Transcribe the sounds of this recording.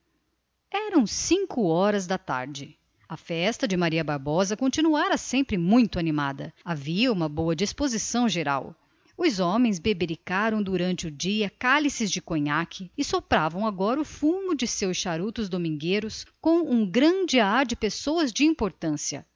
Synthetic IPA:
ɛɾɐ̃w̃sĩŋkʊɔɾɐzd̪ɐt̪a̰ɾd͡ʒɪ | ɐfɛst̪ɐd͡ʒɪmaɾiɐbaɾbɔzɐkõt͡ʃinuaɾɐsẽmpɾɪmũj̃t̪ʊanimad̪ɐ̰aviɐũmɐbowɐd͡ʒispozisɐ̃w̃ʒeɾa̰w | ʊzɔ̃mẽj̃zbebeɾikaɾɐ̃w̃d̪uɾɐ̃nt͡ʃɪʊd͡ʒiɐkalisɪzd͡ʒɪkõɲakʰɪɪsopɾavɐ̃w̃aɡɔɾɐʊfũmʊd͡ʒɪsewsʃaɾut̪ʊzd̪omĩŋɡeɾʊskõw̃ũɡɾɐ̃d͡ʒɪaɾd͡ʒɪpesowɐzd͡ʒɪĩpoɾt̪ɐ̃siɐ̰

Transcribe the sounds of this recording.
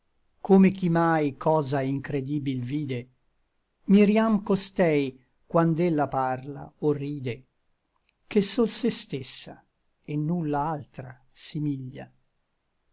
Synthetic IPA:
kʰomekimajkʰɔːzaiŋkɾed̪iːbilviːd̪e | miɾjamkost̪ɛj | kwand̪elːaparla̰orːiːd̪e | kesːulsest̪esːa̰ | enːulːaalt̪ɾa | simiʎːa̰

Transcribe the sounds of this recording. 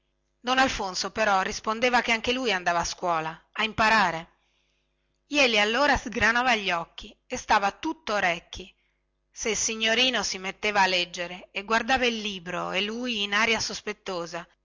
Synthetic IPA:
d̪ɔnalfonsopeɾɔrːispond̪eːvakeaŋkelujand̪aːvaːskwɔːlaːimpaɾaːɾe | jɛːlialːoːɾazɡɾanaːvaʎːɔkːiest̪aːvat̪ut̪ːoɾɛkːi | seilsiɲːoɾiːnosimet̪ːeːvaːlːɛd͡ʒːeɾeːɡward̪aːvailːiːbɾoelːuːjːnaːɾjasospet̪ːoːza

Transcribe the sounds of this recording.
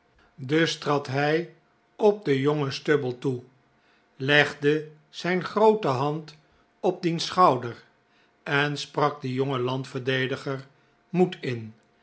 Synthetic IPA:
dɵstrɑtɦɛj | ɔb̚dəjoŋəstøbəlˠtu | lɛχdə | z̥ɛjnχrowtəɦɑnt | ɔb̚dinsχɑwdər | ɛnsprɑɡ̚dəjɔŋəlɑntfəɹdejdəχəɹ | mutʰɪn

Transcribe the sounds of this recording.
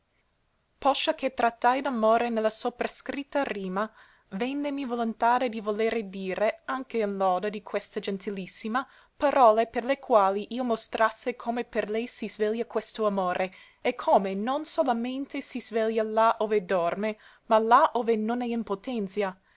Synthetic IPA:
pɔʃːak̟ʰet̪ɾat̪ːajd̪amoːɾenelːasopɾaskɾit̪ːariːma | vɛnːemivolont̪aːɾed̪ivoleːɾed̪iːɾeaŋkeinlɔːd̪ad̪ikʰwɛst̪ad͡ʒɛnt̪ilisːima | paɾʔɔːleperlekʰwaːliʔiːomost̪ɾasːekʰoːmeperlɛjsizvɛljakwɛst̪oamoːɾʔe | ekʰːoːmenonsolament̪esizvɛljalaʔoːved̪ɔrme | malaʔoːvenonɛimpot̪ɛnt̪sja

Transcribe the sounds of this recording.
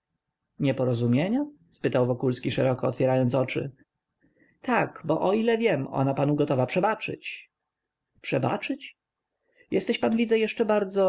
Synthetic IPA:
ɲɛpɔɾɔzumʲjeɲa | spɘt̪awvɔkulskʲiʂɛɾɔkɔːt̪fʲjɛɾajɔnt̪sɔt͡ʂɘ̰ | t̪akbɔʔɔilɛvʲjɛmɔ̰napanuɡɔt̪ɔvapʂɛbat͡ʂɘ̰t͡ɕ | pʂɛba̰t͡ʂɘt͡ɕ | jʔɛst̪ɛɕpanvʲid̪zɛjɛʂt͡ʂɛbaɾd̪zɔ

